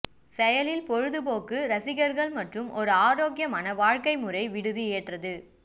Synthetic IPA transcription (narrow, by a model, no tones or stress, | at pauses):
sɛjɐlɪlpɔɻɯðɯpoːkɯɾɐsɪɣɐɾɣɐɭmɐʈrɯmɔɾɯaːɾoːɡjɐmaːnɐʋaːɻkɐɪmɯrɐɪʋɪɽɯðɯeːʈrɐðɯ